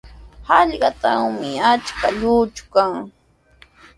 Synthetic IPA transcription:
hɑʎɢɑt̪aŋmɪat͡ʃkaʎʊːt͡ʃʊ̥kaŋ

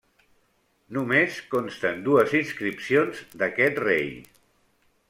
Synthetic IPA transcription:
numeskonst̪ənd̪uəzinskɾipsionzd̪əkɛt̪rḛj

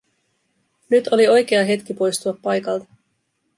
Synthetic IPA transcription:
nyt̪ʰo̞lio̞jk̟e̞ɑɦe̞t̪k̟ipo̞jst̪uɑpːɑjkɑlt̪ɑ̥

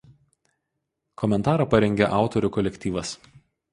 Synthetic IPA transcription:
kʰɔmʲɛnt̪ɑːɾɐˑpɐɾʲɛŋʲɡʲeʔɑˑʊt̪ɔɾʲuˑkɔlʲɛkʲt̪ʲiːʋɐs

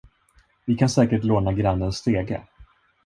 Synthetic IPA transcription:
vɪkʰansɛːkəʈloːnaɡɾanːənst̪eːɡə̰

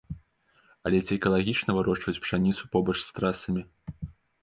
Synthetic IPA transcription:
ɐlʲɛt͡sʲiɛkɐlˠaɣʲit͡ʂnɐvɨɾɔʂt͡ʂvɐt͡sʲpʂanʲit̪supɔbɐt͡ʂst̪ɾasɐmʲi

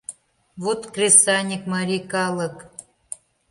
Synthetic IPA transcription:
βut̪krʲesɑnʲikmɑɾʲikɑlɤ̆k

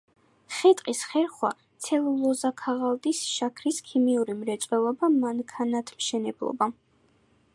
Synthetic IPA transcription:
χɛt̪ʼqʼisχɛɾχwa̰t̪sʰɛlˠlɔzakʰaʁalˠd̪ʼisʃakʰɾiskʰimiuɾimɾɛt̪sʼwɛlˠɔbamaŋkʰanat̪ʰmʃɛnɛblˠɔ̰ba

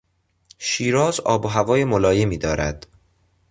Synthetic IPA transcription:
ʃiːɾɒːzɒ̰ːboɦævɒːje̞molɒːje̞miːd̪ɒːɾæ̰d̪̥

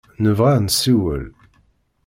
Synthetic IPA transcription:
nəvʁansiwə̰l

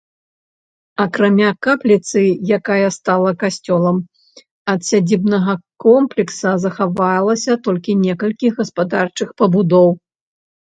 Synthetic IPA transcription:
ɐkɾamʲakaplʲit̪sɨjakajɐst̪alˠɐkasʲt͡sʲɔlˠɐm | ɐt̪sʲad͡zʲibnɐɣɐkɔmplʲɛksɐzɐxavajlˠɐsʲɐt̪ɔlʲkʲinʲɛkɐlʲkʲiɣɐspad̪art͡ʂɨxpɐbud̪ɔw

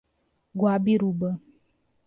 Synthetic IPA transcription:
ɡwabiɾubə

